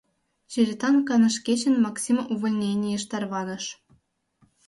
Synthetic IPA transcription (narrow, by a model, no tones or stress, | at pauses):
t͡ɕiɾʲit̪ɑnkɑnɤ̆ʂkʲeɕɘ̆nʲmɑksʲimuvŏlʲnʲenʲejɤ̆ʂt̪ɑrʋɑnɤ̆ʂ